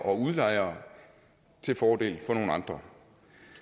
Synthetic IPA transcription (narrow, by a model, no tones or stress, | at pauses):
ʔɒ̽uðˠlɑ̈ɪ̰ɐː | t͡sʰe̝lfɒːd̥e̝̰ːlfɒ̽no̝ːn̩ɑ̈nd̥ʁɐ